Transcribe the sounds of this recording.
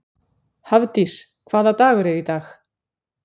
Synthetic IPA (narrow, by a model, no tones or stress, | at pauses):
havt̪is | kʰvaːðat̪aːɣʏɾɛɾit̪ax